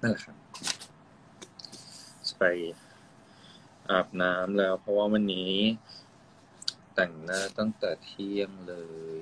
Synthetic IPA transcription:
ʔa˥˩la˨˩kʰa˥ | pa˧˩j | ʔaː˨˩p̚naː˦˥mlɛː˦˥wpʰɾɔ˦˥waː˥˩wa˧nːiː˦˥ | t̪ɛ˨˩ŋnaː˥˩t̪ɔ˥˩ŋt̪ɛː˨˩t̪ʰːi˥˩əŋlɤː˧

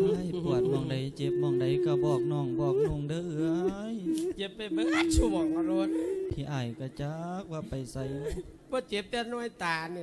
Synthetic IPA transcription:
jpu˨˩ət̪̚mɔː˧˩ŋda˧˦jt͡ɕe˧˦p̚mɔː˧˩ŋda˨˧˩jkaː˧˩bɔː˧˩k̚nɔː˧˩ŋbɔː˧˩k̚nu˧˩˨ŋdɯː˧˩ɯ˧əjt͡ɕe˧˦p̚ːe˧mɯ˧ŋʔa˧˩t͡ɕʰu˧mɔ˧ŋa˧ɾu˧ət̪̚pʰiː˧˩ʔaː˧˩jkaː˧˩t͡ɕa˧˦k̚waː˧pa˨˩jsa˨˧˦j | pɔː˧t͡ɕe˧˦p̚t̪ɛ˧nu˧ə˨jt̪aː˨˩ni˧˨

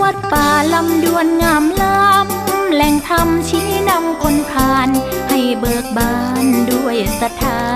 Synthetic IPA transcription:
u˧˩ət̪̚faː˨˩la˧mdu˧˩ənŋaː˧˩mla˦˥mlɛ˨˧˩ŋt̪ʰa˧mt͡ɕʰi˦˥na˧mkʰo˧nkʰaː˧nha˧˩jbɤː˨˩k̚baː˧˩ndu˧˥˩əjsa˧t̪ʰaː˧

